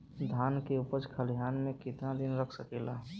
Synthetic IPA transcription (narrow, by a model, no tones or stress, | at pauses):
d̪ʱaːnkeʊpəɾd͡ʒkʰəljaːnmẽkɪt̪nad̪ɪnɾəkʰsəkela